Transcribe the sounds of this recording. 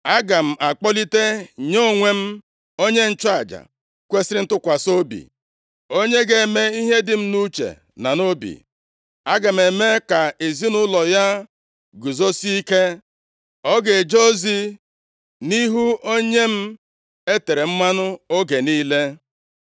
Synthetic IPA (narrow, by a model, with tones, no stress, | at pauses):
a˦ɡa˨m̩˨ʔa˨k͡pɔ˦li˦te˦ɲo˦˨ŋʷe˦m̩˦ | o˦ɲe˦n̩˦t͡ʃa˦˨d͡ʒa̰˨ | kʷe˦sɪ˦ɪ˦n̩˦tʊ˦kʷa˨so˦bḭ˨ | o˦ɲe˦ɡe˨me˦i˦ɦe˦dɪ˨m̩˦nu˦t͡ʃḛ˨ | na˨no˦bḭ˨ | a˦ɡa˨m̩˨e˨me˦ka˨e˨zi˦nʊ˦lɔ˨ja˦ | ɡu˨zo˦si˦i˦ke˦ | ɔ˦ɡe˨d͡ʒo˦zi˦ | ni˦ɦu˦o˦ɲe˦m̩˦ | e˦te˨ɾe˨m̩˦ma˦nʊ˦o˦ɡe˨niː˦le˦